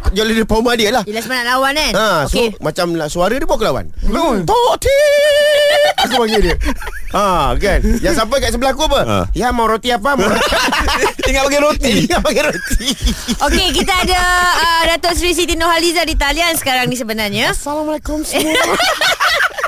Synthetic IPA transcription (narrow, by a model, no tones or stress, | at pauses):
d͡ʒolidəpaumadiəlahiəlasəmanaʔ̪̚lawananəosomat͡ʃamlasuaɾədibuaʔkəlawa̰nt̪oʔt̪ʰe | ak̬ubaŋidiəãkanjaŋsamp̬akaʔsəbəlahkuapə̰jamawɾot̪iapama | iŋat̪ʔ̚baɡiɾot̪iiŋapaɡiɾot̪iʔokek̬it̪̬aːdaədat̪ɔs̬ɾis̬it̪inohalizadit̪aliansə̥kaɾaŋnis̬əbənarɲasalamlakɔns